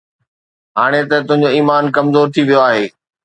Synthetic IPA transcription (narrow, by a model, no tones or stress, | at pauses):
ɦaːɽ̃et̪ɐt̪ʊ̃ɦɪ̃ɲ̆d͡ʑoiːmaːnkɐmzoːɾt̪ʰiʋijoaːɦeː